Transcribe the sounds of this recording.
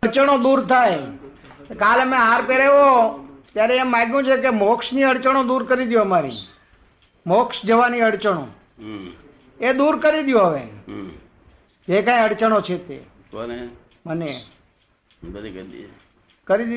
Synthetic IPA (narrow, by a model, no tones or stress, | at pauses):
əɽt͡ʃəɽ̃õd̪uɾt̪ʰaj | kaləmẽɦaɾpeɽeʋot̪jaɾeːmːãɡjũt͡ʃʰek̬emɔksniəɽt͡ʃəɽ̃od̪uɾkəɾid̪joɦəmaɾḭ | mɔksd͡ʒəʋaniəɽt͡ʃəɽõ̰ | ed̪uɾkəɾid̪joɦəʋe | d͡ʒekãjəɽt͡ʃəɽ̃ot͡ʃʰet̪ḛ | məne | kəɾid̪i